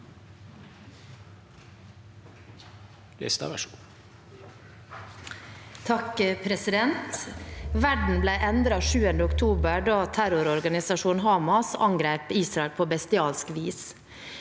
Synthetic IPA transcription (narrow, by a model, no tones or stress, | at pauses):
lɪ̰st̪ɑ̰ʋɛ̰ʃu | t̪ʰɑkəpʰɾɛsɪd̪ɛnt̪ʋæɖɳ̩blæɪʔɛnd̪ɾɑʃʉːənd̪əʊkt̪ʰuːbəɖɑːt̪ʰæɾʊɾɔɾɡɑnɪsɑʂuːnɦɑːmɑsɑ̰ŋɡɾeːpiːsɾɑɛlpʰoːbɛst̪ɪɑːlskʋiːs